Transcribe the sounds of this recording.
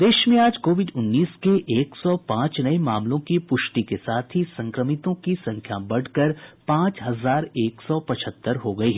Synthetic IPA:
d̪eːʃmẽaːd͡ʒkoːʋɪɖʊnːiːskeʔeːksɔpãːt͡ʃnɐemaːmlõkipʊʃʈikesaːt̪ʰɦisɐ̃ŋkɾəmɪt̪õkisɐ̃ŋkʰjabɐɽ̤kɐɾpãːt͡ʃɦɐzaːɾeːksɔpɐt͡ʃʰət̪ːəɾɦoɡɐiɦɛ

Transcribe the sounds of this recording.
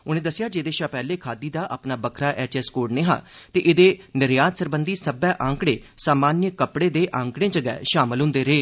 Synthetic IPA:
ʊnẽːd̪əsːɪjaːd͡ʒeːd̪eːʃaːpɛːleːkʰaːd̪iːd̪aːʔa̰ːpnaːbəkʰɾaːʔɛːt͡ʃɛːskoːɖnẽːɦã̰ːt̪eːʔɪd̪eːnɪɾjaːt̪səɾbənd̪iːsəbɛːʔãːŋkɽeːsaːmaːnjəkəpɽeːd̪eːʔãːŋkɽẽːd͡ʒəɡɛ̰ːʃaːmɪlɦʊ̃nd̪eːɾeː

